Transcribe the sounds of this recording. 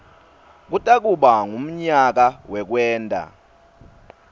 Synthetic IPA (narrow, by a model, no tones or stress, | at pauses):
k̬utʼak̬uɓaŋum̩ɲak̬awɛk̬wɛːntʼa̰